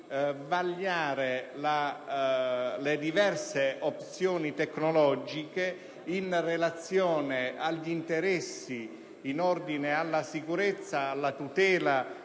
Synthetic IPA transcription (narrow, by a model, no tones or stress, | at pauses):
vaʎːaːɾela | led̪ivɛrseop̚t̪sjoːnit̪ɛkːnolɔd͡ʒike | inrelat̪sjɔːneaʎːint̪eɾɛsːiː | nɔrd̪inealːasikuɾet̪sːaːlːat̪ut̪ɛːla